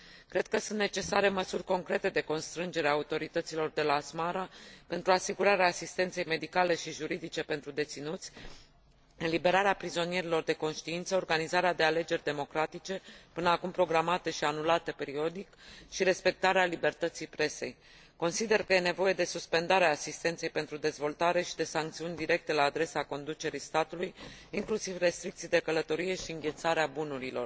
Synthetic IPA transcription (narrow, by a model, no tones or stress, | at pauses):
kɾe̞d̪̚kəsũnt̪ne̞t͡ʃe̞saɾe̞məsurʲko̞ŋkɾe̞t̪e̞d̪e̞ko̞nst̪ɾɨnd͡ʒe̞ɾeaut̪o̞ɾit̪ət̪silo̞rd̪e̞laːsmaɾape̞nt̪ɾuasiɡuɾaɾeaːsist̪e̞nt̪se̞jme̞d̪ikale̞ʃiʒuɾid̪it͡ʃe̞pe̞nt̪ɾud̪e̞t̪sinut̪sʲ | ɨnlibe̞ɾaɾeapɾizo̞nije̞ɾilo̞rd̪e̞ko̞nʃt̪iint̪səorɡanizaɾead̪eale̞d͡ʒe̞rʲd̪e̞mo̞kɾat̪it͡ʃe̞pɨnəakumpɾo̞ɡɾamat̪e̞ʃianulat̪e̞pe̞ɾio̞d̪ikʃiɾe̞spe̞k̚t̪aɾealibe̞rt̪ət̪sijpɾe̞se̞̰j | ko̞nsid̪e̞rkəje̞ne̞vo̞je̞d̪e̞suspe̞nd̪aɾeaːsist̪e̞nt̪se̞jpe̞nt̪ɾud̪e̞zvo̞lt̪aɾe̞ʃid̪e̞saŋkt̪siunʲd̪iɾe̞k̚t̪e̞laːd̪ɾe̞sako̞nd̪ut͡ʃe̞ɾist̪at̪ulujiŋklusivre̞st̪ɾikt̪sijd̪e̞kələt̪o̞ɾije̞ʃiɨŋɡʲe̞lt̪saɾeabunuɾilo̞̰r